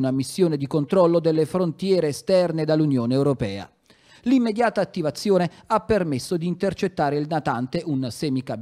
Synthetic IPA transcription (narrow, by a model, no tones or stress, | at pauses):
namisːjoːned̪ikont̪ɾɔlːod̪elːefɾont̪jɛːɾeːst̪ɛrned̪alːunjoːneːwɾopɛ̰ːa̰ | limːed̪jaːt̪aːt̪ːivat̪sːjoːneapːermesːod̪iːnt̪ert͡ʃet̪ːaːɾeilnat̪ant̪eʔunasɛːmikab